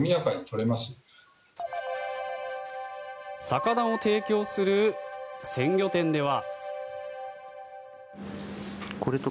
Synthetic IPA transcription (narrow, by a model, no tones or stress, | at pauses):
mʲijakaɲ̟it̪o̞ɾe̞masɨ̥ | sakad̪ao̞t̪e̞ːkʲo̞ːsɨɾɯ̟sẽ̞ŋɡʲo̞t̪ẽ̞nd̪e̞β̞a | kʰo̞ɾe̞t̪o